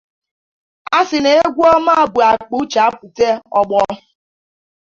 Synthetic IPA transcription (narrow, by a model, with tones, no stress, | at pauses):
a˦sɪ˨ne˨e˦ɡʷu˦ɔ˦ma˦a˦˨bʊ˨a˨k͡pu˦t͡ʃa˨˦pu˨te˦ɔ˦ɡ͡bɔ˦